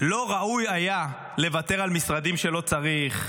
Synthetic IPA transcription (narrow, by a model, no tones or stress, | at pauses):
lo̞ʁaʔujaja | le̞vat̪e̞ʁalmisʁad̪imʃe̞lo̞t͡saʁiχ